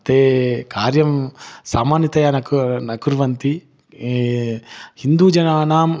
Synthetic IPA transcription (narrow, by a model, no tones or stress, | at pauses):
t̪eːkaːɾjɐmsaːmaːnjɐt̪ɐjaːnɐknɐkuɾʋɐnt̪i | hind̪uːd͡ʒɐnaːnaːm